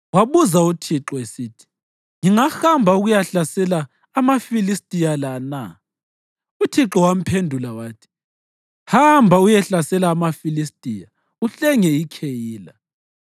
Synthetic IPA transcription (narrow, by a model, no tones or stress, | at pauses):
waβuzautʰiǁɔesiːtʰi̥ | ŋiŋahambʱauɣujaɬasɛlaː | mafilistʼijalana | utʰiǁɔwam̩pʰendʱulawaːtʰi̥ | hambʱaujɛɬasɛlaːmafilistʼija | uɬɛŋɛikʰejiːla